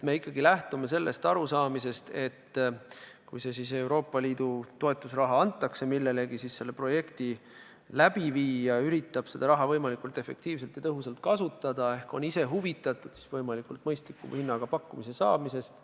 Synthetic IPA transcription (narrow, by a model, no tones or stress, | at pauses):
t̪me̞ikːˑɑɡilæht̪ume̞se̞lːʔe̞st̪ɑɾusɑːmise̞st̪e̞t̪ː | kujse̞sise̞wɾo̞ːpːˑɑliːd̪̥ut̪o̞e̞t̪ːˑusrɑɦɑɑnt̪ːˑɑkse̞milːe̞le̞ɡisisse̞lːe̞pro̞je̞kt̪i | læb̥iviːjɑyɾit̪ːˑɑb̥se̞d̪̥ɑɾɑɦɑvɤjmɑlikult̪e̞fːe̞̰k̚t̪iːvs̬e̞lt̪jɑt̪ɤɦusɑlt̪̚kɑsut̪ːˑɑd̪̥ɑe̞hko̞̰nise̞ɦuvit̪ːˑɑt̪ːˑud̪̥si̥svɤjmɑlikult̪̚mɤjst̪likːˑṵmhinːɑɡ̥ɑpɑkːumise̞sɑ̰ːmise̞st̪